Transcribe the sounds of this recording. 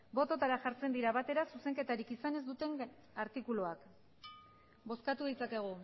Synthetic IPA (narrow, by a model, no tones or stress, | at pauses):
bo̞t̪o̞t̪aɾaʝaɾt͡se̞nd̪iɾaβat̪e̞ɾasuse̞ŋke̞t̪aɾikisane̞zd̪ut̪e̞ŋ | aɾt̪ikuloak | bo̞skat̪uðit͡sake̞ɣ̞u